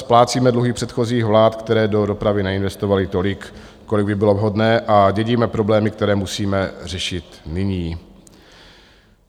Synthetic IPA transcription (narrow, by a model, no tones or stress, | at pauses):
splaːt͡siːmɛdluɦiːpr̝̥ɛt̪xo̞ziːxvlaːt̪kt̪ɛɾɛːdo̞do̞pɾavɪnɛɪnvɛst̪ovalɪt̪o̞lɪk | kolɪɡbɪbɪlo̞vɦodnɛːʔaɟɛɟiːmɛpɾo̞blɛːmɪkt̪ɛɾɛːmusiːmɛr̝ɛʃɪt̪nɪɲiː